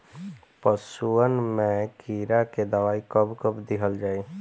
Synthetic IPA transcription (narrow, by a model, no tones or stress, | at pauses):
pəsuənmẽkiːɾaked̪əʋaːikəbkəbd̪ɪɦʰəld͡ʒaːe